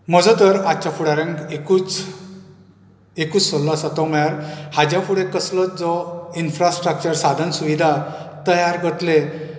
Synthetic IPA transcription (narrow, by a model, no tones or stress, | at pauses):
məd͡zɔt̪əɾat͡ɕafuɽaɾẽŋɡekut͡s | ekut͡ssɔllsat̪ɔməjaɾhad͡ʑjafuɽẽkəslət͡sd͡zɔinfɾasʈɾək̚t͡ɕəɾsad̪ʱənsuʋid̪ʱat̪əjaɾɡʱət̪le